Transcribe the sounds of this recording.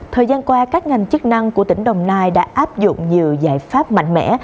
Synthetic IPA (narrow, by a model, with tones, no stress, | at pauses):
t̪ʰəː˨˩jzaː˧nkwaː˧kaː˦˥k̚ŋa˨˩jŋ̟t͡ɕɨ˦˥k̚na˧ŋku˧˩ət̪ï˧˩ŋ̟ɗə˨˩wŋ͡mnaː˧jɗa̰ː˧˥ʔaː˦˥p̚zʊ̰˧˨ŋ͡mɲi˨˩əwzaː˧˩jfaː˦˥p̚ma̰˧˨jŋ̟mɛ̰˧˥